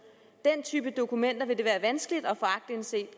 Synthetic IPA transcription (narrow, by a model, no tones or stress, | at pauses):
d̥en̰t͡sʰyːb̥əd̥o̝kumen̰d̥ɐʋe̝d̥e̝ʋæːɐʋænsɡ̥əlid̥ɒ̽fɒ̽ɑ̈ɡ̥̚d̥inse̝̰ːd̥